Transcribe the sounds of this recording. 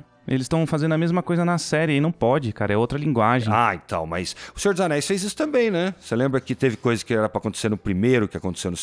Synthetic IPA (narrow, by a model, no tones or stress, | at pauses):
elɪst̪ɐ̃w̃fazẽnd̪ɐmezmɐkojzɐnɐsɛɾɪinɐ̃w̃pɔd͡ʒɪkaɾɐɛowt̪ɾɐlĩɡwaʒẽaḛ̃t̪ɐ̰̃w̃mɐ̰jsʊ̥sẽoɾd̪zanɛjsfejzisʊ̥t̪ɐ̃mbẽj̃nɛselẽmbɾɐkɪt̪evɪkojzɐskɪɛɾɐpɾɐakõt̪e̥seɾnʊpɾimejɾʊkɪakõt̪e̥sewnʊ